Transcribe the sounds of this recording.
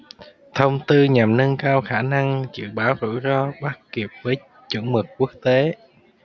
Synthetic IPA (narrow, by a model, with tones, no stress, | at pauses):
t̪ʰə˧wŋ͡mt̪ɨ˧ɲa˨˩mnə˧ŋkaː˧wxaː˧˩na˧ŋt͡ɕɨ̰˧˨ɓaː˨˦wzṵ˧˥zɔ˧ɓaː˦˥k̚ki˨˩əp̚vəː˨˦j | t͡ɕə̰˧˩nmɨ˨˩kkːu˦˥ək̚t̪e˨˦